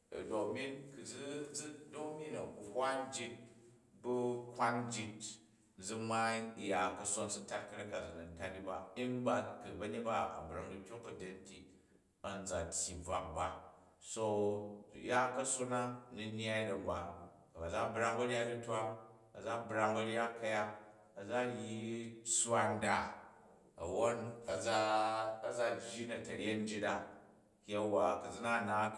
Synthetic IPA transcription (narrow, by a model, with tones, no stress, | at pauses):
do˨kmi˦nku˨d͡zi˦d͡zdo˦mi˦nɐ˨ku˨hʷa˦nd͡ʒi˦t̚ | bu˦hʷa˦nd͡ʒi˧t̚ | d͡zu˧ma˦˨ja˨kɐ˨so˦nsu˦ta˦t̚kɐ˦ɾa˦ka˨d͡zu˨nɐ˨n˦ta˦ti˦ba˦i˦n˦ba˦kɨ˨bɐ˦ɲe˦t̚ba˦ɐ̰˨bɾa˨ŋdu˦kʲo˦kːɐ˨de˦nti˨ | ɐ˨n˦d͡za˨tʲji˨b͡va̰˨k̚ba˨ | so˦˧ | ja˦kɐ˦so˦na˦nu˦nja˦i˦dɐ˨ba˨ | kɐ˨ba˨d͡za˦bɾa˦˧ŋbɐ˦ɾʲa˦u˦twa˦ŋ | ɐ̰˨d͡za˦bɾa˧ŋbɐ˧ɾʲa˦kːɐ˦˧ja˦t | ɐ˨d͡za˦ji˦t͡sa˦nda˨ | ɐ˨wo˦nɐ˨d͡za˦ɐ˦d͡za˦d͡ʒi˦nɐ˨tɐ˨ɾʲe˦n̩˦d͡ʒi˦da˦ | a˦wa˨kɐ˨d͡zi˦na˦˨na˨˦